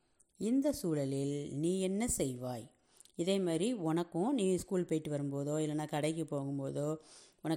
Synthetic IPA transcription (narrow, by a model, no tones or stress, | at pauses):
ɪnd̪ɐsuːlɐlɪlniːɛnːɐsɛjʋaːj | ɪðeːmaːdɾiɔnɐkːʊ̃niːskuːlpɐjʈːɯʋɐɾɯmpoːðoːɪlːɐnːaːkɐɽɐɪk̬ːɯpːoːŋɡɯmpoːðoːʊnɐ